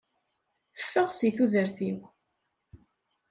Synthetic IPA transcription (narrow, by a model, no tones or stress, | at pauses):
əfːəʁsiθuðəɾθiw